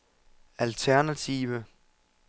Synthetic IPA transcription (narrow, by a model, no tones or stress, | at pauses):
ælt͡sʰæɐnæt͡sʰḭʋə